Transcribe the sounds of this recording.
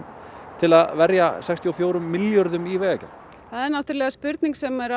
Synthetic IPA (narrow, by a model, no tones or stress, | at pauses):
t̪ʰɪlaðvɛɾja̰sɛkst̪iɔfjoːwɾʏmːɪljɔɾðʏmivɛːacan | θaðɛɾnawht̪ʏɾlɛːɣaspʏɾt̪niŋksɛmɛɾa